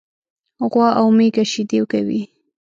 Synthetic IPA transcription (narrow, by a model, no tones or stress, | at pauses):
ɣwɑʔawmekaʃid̪ewkawḭ